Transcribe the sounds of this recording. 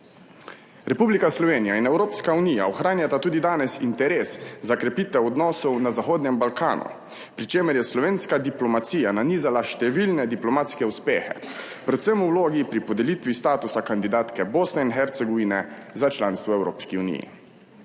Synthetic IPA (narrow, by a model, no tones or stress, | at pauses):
ɾɛpublikaslɔʋeːnijainɛwɾoːpskaunija̰ɔxɾaːnjat̪at̪uːd̪id̪aːnɛsint̪ɛɾeːszakɾɛpiːt̪ʋɛɔd̪nɔːsɔwnazaxoːd̪nɛmbalkaːnṵ | pɾit͡ʃeːmɛɾjɛslɔʋeːnskad̪iplɔmat̪siːjananiːzalaʃt̪ɛʋilnɛd̪iplɔmat̪skɛuspeːxɛ̰ | pɾɛt̪səmuwloːɡipɾipɔd̪ɛliːt̪ʋist̪aːt̪usakand̪id̪aːt̪kɛboːsnɛinxɛɾt̪sɛɡɔʋiːnɛzat͡ʃlaːnst̪ʋɔɛwɾoːpskiunḭjḭ